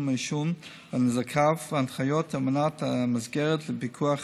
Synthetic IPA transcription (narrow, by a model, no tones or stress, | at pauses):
meʃun | vɛnɪzakʰafvanχajɔtʰamənatamɪsɡɛɾətlɪpikʰuaχ